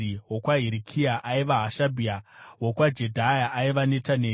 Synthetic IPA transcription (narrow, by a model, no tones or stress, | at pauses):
iɦwokwaɦiɾikʰiaʔaiʋaɦaʃabʱiawokwad͡ʒe̞dʱajaʔaiʋanetaneː